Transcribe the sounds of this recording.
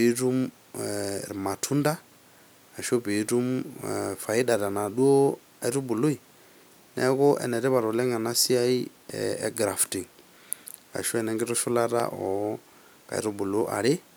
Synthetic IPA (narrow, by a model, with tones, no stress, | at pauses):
tu˦m˨ | ma˨tʰu˦nda˦ | a˨ʃo˦bi˨˦tu˦mfa˨i˦da˨ɾa˨na˨do˦ | a˦ɾu˦bu˨lo˦i˨ | nɛ̰kʊ˦ʔɛ̰˨nɛ˨ɾɛ˦βa˨ɾɔ˨lɛ˦ŋa˨na˦si˦a˦i˦ | ɛ̰˦ɡɾa˨fti˨ŋ | ka̰˨ʃɔ˦ɛ˨nɛ˨ŋɡɛ˦ɾɔ˦ʃu˦la˦ɾa̰˦ʔɔ˨ | ka̰˨ḭɾu˦bu˨lo˦ʔa̰˨ɾɪ˦